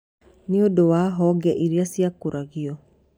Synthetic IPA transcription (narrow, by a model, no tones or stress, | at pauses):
niodowaɦɔɡɛʔiɾiasiakoɾaɣiɔ